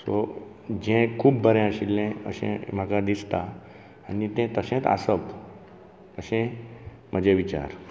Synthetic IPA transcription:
so | d͡ʑɛ̃kʰuːbːəɾɛ̃əɕilːẽəɕḛ̃m̤akad̪ist̪aː | nit̪ɛ̃t̪əɕẽt̪a̰səp | əɕẽ | m̤əd͡ʑẽʋit͡ɕa̰ɾ

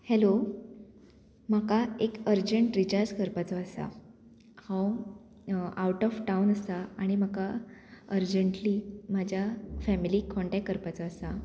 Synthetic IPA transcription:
hɛlo | makaekəɾd͡ʑəɳʈɾit͡ɕaɾd͡ʑkəɾpat͡soəsa̰ | hãw | awʈɔfʈawnəsaaɽ̃im̤akaəɾd͡ʑəɳʈliːmad͡ʑʱjafɛmiliːkɔɳʈɛk̚kːəɾpat͡soəsa

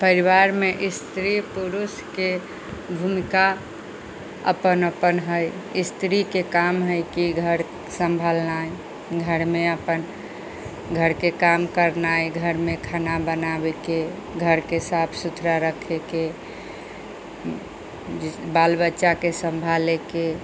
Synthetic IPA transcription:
pəɾiʋaɾmeʔist̪ɾipuɾuske | bʱumika | ə̰pənəpənɦəjist̪ʰɾikekamɦəjkiɡʱəɾ | sə̃mbʱalnaj | ɡʱəɾmeəpən | ɡʱəɾkekamkəɾnajɡʱəɾmekʰanabənabeke | ɡʱəɾkesapʰsut̪ʰɾaɾəkʰeke | balbətːʃakesəmbʱaleke

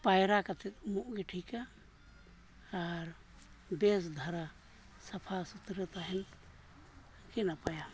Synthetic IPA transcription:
pajɾakat̪ʰɛt̪̚muʔɡɛʈʰika | ɾ | bɛs̬d̪ʱaɾa | sɐpʰasut̪ɾət̪aɦɛn | kɛnapaja

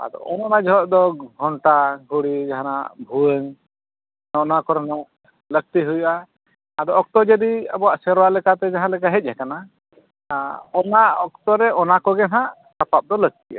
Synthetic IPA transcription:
a̰d̪ɔ̰ɔnanad͡ʒɔɦɔʔd̪ɔɡʱɔɳʈaɡuɽid͡ʒaɦana̰bʱuəŋ | nɔʔnakɔɾɛnɔʔ | ləɡ̚t̪iɦujuʔa | ad̪ɔɔk̚t̪ɔd͡ʒəd̪ia̰bɔasɛɾɔwaʔlɛkat̪ɛd͡ʒaɦãlɛkaɦɛc̚ˀɦɛkana | ɔnaɔk̚t̪ɔɾɛʔɔnakɔɡɛnãʔ | kapap̚d̪ɔlək̚t̪iʔa̰

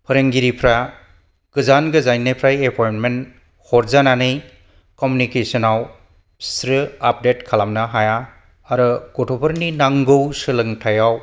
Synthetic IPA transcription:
pʰɯɾeŋɡiɾipʰɾa | ɡ̥ɯzanɡɯzajnɯpʰɾajepʰɔjnmen | hɔɾzananɯj | kɔmunikesɔnaw | sɾɯap̚detkʰalamnɐɦajaː | ɾɯɡ̥otʰopʰɯɾninaŋɡɯwsɯlɯŋtʰajaw

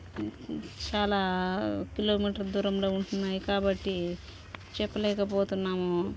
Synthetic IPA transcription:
t͡ʃaːlaːkiloːmiːʈɐɾd̪uːɾɐmloːuɳʈunːaːjukaːbɐʈːi | t͡ʃɛpːɐlɛːkɐpoːt̪unːaːmu

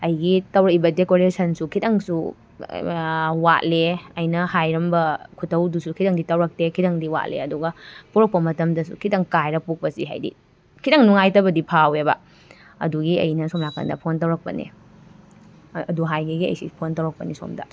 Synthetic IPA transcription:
ɐjɡitɐwɾɐk̚ibɐdekoɾesɐnsukʰidɐŋsu | wat̚leɐjnɐhajɾɐmbɐkʰutʰːɐwdusukʰidɐŋditɐwɾɐk̚tekʰidɐŋdiwa̰tlḛɐduɡɐpuɾɐk̚pɐmɐtɐmdɐsṵkʰidɐŋkajɾɐpuk̚pɐsiɦa̰jdḭ | kʰidɐŋnuŋajtɐbɐdipʰawebɐ̰ | ɐ̰duɡiɐ̰jnɐsomnakʰɐ̰ndɐ̰pʰontɐwɾɐk̚pɐ̰nḛ | ɐduɦajɡiɡiɐ̰jsḭpʰontɐwɾɐk̚pɐniso̰mdɐ̰

